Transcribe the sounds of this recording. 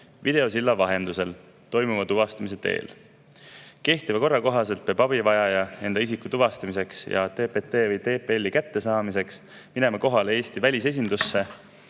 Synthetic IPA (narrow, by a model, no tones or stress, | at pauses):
vid̪e̞o̞s̬ilːɑvɑɦe̞nd̪use̞l | t̪o̞jmuvɑt̪uvɑst̪ɑmise̞t̪e̞̰ːl | ke̞ht̪ivɑko̞rːɑko̞ɦɑse̞lt̪̚peːbɑbivɑjɑjɑe̞nd̪̥ɑisikːut̪uvɑst̪ɑmise̞ksjɑ̰t̪e̞ːpet̪ːeːvɤjt̪e̞ːpelʲːikæt̪ːe̞sɑːmise̞ks | mine̞mɑko̞ɦɑlee̞ːst̪ivælʲise̞s̬ʲind̪usːe̞